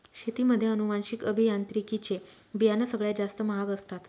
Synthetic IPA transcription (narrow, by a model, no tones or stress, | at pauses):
ɕet̪iməd̪ʱːjeənumanɕikəbʱijant̪ɾikit͡ɕe | bijanasəɡɭjad͡zast̪əməɦaɡəst̪at̪